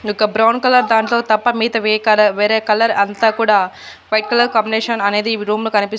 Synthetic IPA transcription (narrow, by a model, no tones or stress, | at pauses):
ɔkɐbɾɐwnkɐlɐɾd̪aːɳʈlo̞ːt̪ɐpːɐmiːt̪ɐʋeːkɐɐʋeːɾeːkɐlɐɾɐnt̪aːkuːɽaː | ʋɐjʈ̚kɐlɐɾkɐmbineːʂɐnɐne̞ːd̪iɾuːmloːkɐnipis